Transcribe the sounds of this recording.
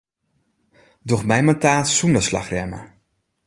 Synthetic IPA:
dɔχmɛjmataːtsundəslɑ̰χrɛmə̰

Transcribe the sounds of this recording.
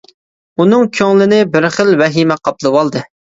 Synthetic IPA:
unɨŋkʲʰøŋlɪnɪbɪɾχəlˠvɛɦimɛqʰɑp̚lˠɨwɑlˠd̪ɨ

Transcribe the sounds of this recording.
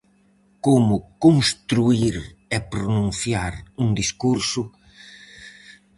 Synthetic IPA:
komʊkoŋst̪ɾuiɾɛpɾonũn̟θjaɾuŋd̪iskuɾsʊ

